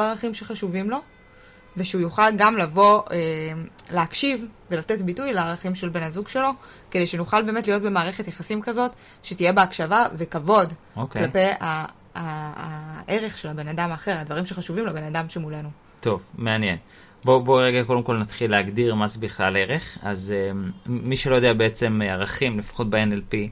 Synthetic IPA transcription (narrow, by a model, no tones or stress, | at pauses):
olaʁaχimʃe̞χaʃuvimlo̞ | veʃeujuχalɡamlavo̞eleakʃivve̞late̞tbitujleaʁaχimʃe̞lbe̞nazuɡʃe̞lo̞ | kede̞jʃenuχalbeːme̞tlijo̞tbe̞maːʁe̞χe̞tjeχasimkazo̞t | ʃetijebeakʃavave̞kavo̞d | oklape̞jaː | ʔeʁe̞χʃe̞labe̞nadamaːχe̞ʁadvaʁimʃeχaʃuvimlabe̞nadamʃe̞mulenu | to̞vmeanjen | boboʁeɡako̞demko̞lnatχilːeaɡdiʁmazebiχlaleʁeχazeːiʃelo̞jod̪eabeet͡se̞maʁaχimlefḁχo̞t̚beenelpi